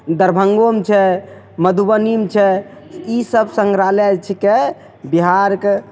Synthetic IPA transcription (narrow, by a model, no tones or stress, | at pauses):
d̪əɾbʱəŋɡomt͡ʃʰɛ | məd̪ʱubənimt͡ʃʰɛisəbsəŋɡɾalɛt͡ʃʰike | biɦaɾke